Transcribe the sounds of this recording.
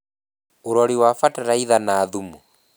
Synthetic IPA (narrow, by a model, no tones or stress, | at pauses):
oɾɔɾiwafataɾaiðanaːðumu